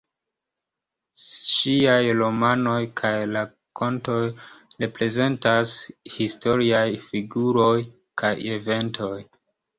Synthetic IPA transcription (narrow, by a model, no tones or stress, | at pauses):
ʃiajɾo̞mano̞jkʰajla | kʰo̞nto̞jɾe̞pɾe̞ze̞ntashisto̞ɾiajfiɡuɾo̞j | kʰajeve̞ntʰo̞j